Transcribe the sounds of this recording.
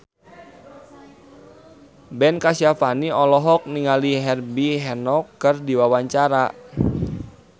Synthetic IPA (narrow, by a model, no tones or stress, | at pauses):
bɛnkasiafaniɔlɔɦɔk̚niŋaliɦɛrbiɦɛnɔkːərdiwawaɲt͡ʃaɾa